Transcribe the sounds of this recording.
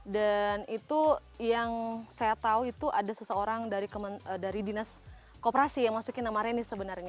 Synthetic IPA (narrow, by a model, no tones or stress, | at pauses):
danit̪u | jaŋsajat̪auit̪uʔadasəsəoɾaŋdaɾikəmənədaɾidinas | kopɾasijaŋmasukɪnamaɾenɪsːəbənarɲa